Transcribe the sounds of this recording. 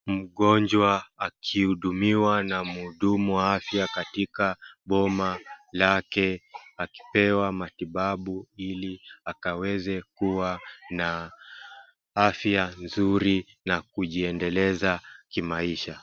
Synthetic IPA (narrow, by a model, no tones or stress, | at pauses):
m̩ɠɔɲd͡ʒwaːkʰihuɗumiwanamhuɗumuwaafjakatikaɓɔmalakɛaki̥pɛwamatiɓaɓuiliakawɛzɛkuwana | afjanzuɾi | nakuʄiɛndɛlɛzakimaiʃa